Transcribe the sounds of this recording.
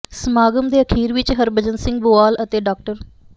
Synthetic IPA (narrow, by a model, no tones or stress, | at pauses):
səmaːɡəmd̪eːəkʰiːɾʋɪt͡ʃɦəɾbəd͡ʒənsɪ̃ŋɡ̚bʊːaːlət̪eːɖaːk̚ʈəɾ